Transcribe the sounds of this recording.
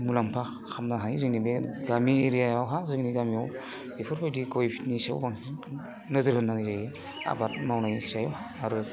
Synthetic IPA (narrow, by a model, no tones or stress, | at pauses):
mulampʰa | kʰamnaɦajzɯŋnibeɡamieɾijajawɦazɯŋniɡamiaw | epʰɯɾbʰajdikɔjpʰi̥tnisawbaŋ | nɯzɯɾhɯnːanzaje | a̰bat̚mawnajsajɔwaɾu